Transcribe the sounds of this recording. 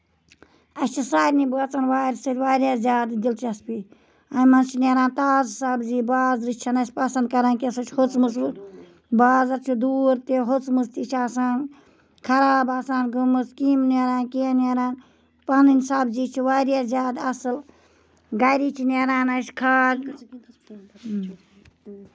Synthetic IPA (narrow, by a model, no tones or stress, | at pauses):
ɐst͡ʃʰisaːɾʲnibɨɐt͡sɐnʋaːɾʲsɐɾʲʋaːɾʲjaːzʲjaːd̪d̪ilt͡ʃʰiɐspi | ɐnmɐnt͡ʃʰineɾaːnt̪aːzsaːbziːbaːzɾit͡ʃʰɐnɐʃʲpɐsɐnd̪̚kɐɾaːnkisɨt͡ʃʰhot͡smɨs̬bɨt̪ | baːzɐɾt͡ʃʰud̪uːɾt̪eɦot͡smɨst̪it͡ʃʰaːsaːn | kʰɐɾaːbaːsaːnɡumɨskiːmneɾãːnkineɾaːn | paːninsaːbziːt͡ʃʰiʋaːɾjaːzjaːd̪ɐsɨl | ɡaːjɾiːt͡ʃʰineɾaːnɐskʰaːɡ